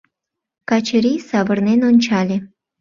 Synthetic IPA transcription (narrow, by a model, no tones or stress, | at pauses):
kɑt͡ɕə̆ɾʲijsɑβə̆rnenonʲt͡ɕɑlʲe